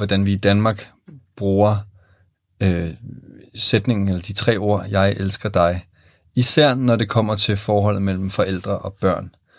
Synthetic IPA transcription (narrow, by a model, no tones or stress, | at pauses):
ʋɒd̥ænʋiːd̥ænmɑ̈ːɡ̥ | b̥ʁuːɐ | ø | sed̥ne̝ŋn̩elɐd̥it͡sʰʁɛ̰ːo̝ɐ̰jɑ̈ɪʔelsɡ̥ɐd̥ɑ̈ɪ | isæɐ̰nɒɾe̝kʰɒ̽m̰ɐt͡sʰe̝fɒːɦɒ̽l̰ð̩ˠmel̰m̩fɒ̽ʔel̰d̥ʁɐʔɒ̽b̥ɶɐ̰n